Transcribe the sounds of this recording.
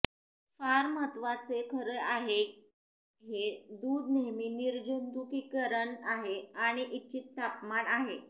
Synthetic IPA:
faɾmət̪ʋat͡sekʰəɾəɭʔaɦe | ɦed̪uːd̪neɦmiːniɾd͡ʑond̪ukikəɾəɳaɦeaɽ̃iʔitːt͡ɕiːt̪ːapmanaɦe

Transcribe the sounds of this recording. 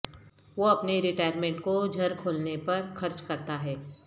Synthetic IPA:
ʋoɐpneɾɪʈaːjəɾmẽːɳʈkod͡ʒʱɐɾkʰoːlnepɐɾxɐɾt͡ʃkɐɾt̪aɦɛː

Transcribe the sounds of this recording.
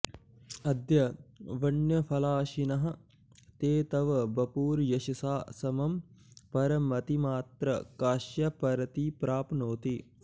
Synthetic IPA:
ɐd̪jɐʋɐɳjəpʰɐlaːʃinɐɦɐ | t̪eːt̪ɐʋbɐpuːɾjɐʃɐsaːsɐmɐmpɐɾɐmɐt̪imaːt̪ɾəkaːʃjɐpɐɾɐt̪ipɾaːpnoːt̪i

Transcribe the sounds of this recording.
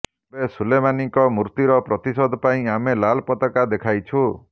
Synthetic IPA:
ebesulemaniŋkɔmuɾt̪iɾɔpɾɔt̪isɔd̪ɔpaĩamelalpɔt̪ɔkad̪ekʰajt͡ʃʰu

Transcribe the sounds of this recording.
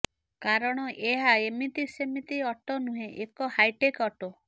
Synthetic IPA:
kaɾɔɽ̃ɔʔeɦaemit̪isemit̪iɔʈɔnũɦẽʔekɔhajʈekɔʈo

